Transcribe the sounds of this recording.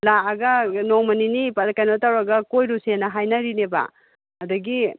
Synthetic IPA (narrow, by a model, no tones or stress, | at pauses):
laːɡɐnoŋmɐninipaɾakajnotawɾɐɡɐkojɾusenɐɦajnɐɾinebɐ̰ | ɐdɐɡi